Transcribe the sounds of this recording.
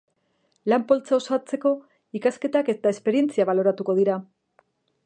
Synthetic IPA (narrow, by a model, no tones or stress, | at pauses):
lampo̞lt͡saosoat͡se̞ko̞ | ikaske̞t̪ake̞t̪ae̞spe̞ɾie̞nt͡siaβ̞alo̞ɾat̪uko̞ð̞iɾa